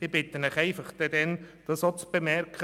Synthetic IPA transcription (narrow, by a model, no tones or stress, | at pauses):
d̥ɪb̥ɪt̪ənəχæɪfɑχd̥ɛdɛnd̥ɑsot͡sb̥əmɛɾkχə